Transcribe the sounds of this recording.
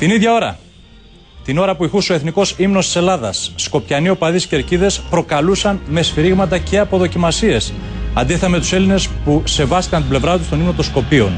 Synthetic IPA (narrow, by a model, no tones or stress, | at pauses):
t̪iniðʝɐo̞ɾɐ̰ | t̪ino̞ɾɐpuixuso̞e̞θniko̞simnost̪ise̞lɐðɐsːko̞pçɐnio̞pɐðisceɾciðe̞spɾo̞kɐlusɐnme̞sfiɾiɣmɐt̪ɐce̞ɐpo̞ðo̞cimɐsie̞sɐ̰nd̪iθɐme̞t̪use̞line̞spuse̞vɐst̪i̥kɐnt̪ible̞vɾɐt̪ust̪onimno̞t̪osko̞pio̞̰n